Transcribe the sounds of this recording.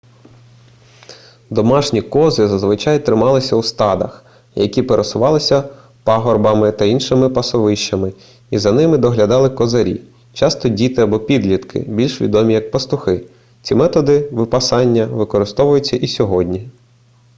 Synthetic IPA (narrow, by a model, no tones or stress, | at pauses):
d̪ɔmɑʃnʲikɔzɪzɐzʋɪt͡ʃɑjt̪ɾɪmɑlˠɪsʲɐwst̪ɑd̪ɐ̰x | jɐkʲipeɾesʊʋɑlˠɪsʲɐ | pɑɦɔrbɐmɪt̪ɐinʃɪmɪpɐsɔʋɪʃt͡ʃɐmɪ | izɐnɪmɪd̪ɔɦlʲɐd̪ɑlˠɪkɔzɐɾʲḭ | t͡ʃɑst̪ɔdʲit̪ɪɐbɔpʲid̪lʲit̪kʰɪ̰bʲilʲʃʋʲḭd̪ɔmʲijɐk̚pɐst̪ʊxɪ | t͡sʲimɛt̪ɔd̪ɪʋɪpɐsɑnʲːɐʋɪkɔɾɪst̪ɔʋʊjʊt͡sʲːɐʔisʲɔɦɔdʲnʲi